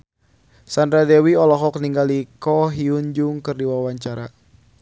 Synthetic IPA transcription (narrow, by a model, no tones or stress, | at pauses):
sandɾadɛwiɔlɔɦɔk̚niŋɡalikɔɦiuɲd͡ʒuŋkɨrdiwawaɲt͡ʃaɾa̰